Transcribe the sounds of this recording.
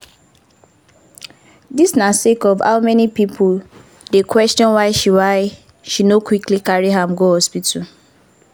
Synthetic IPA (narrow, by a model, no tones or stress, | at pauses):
disnasekɔvha̰ʊmɛnipipʰʊl | dekwɛstɔ̃nwaɪʃiwaɪ | ʃinokwiklikaɹiɦam̩ɡohɔspitʰu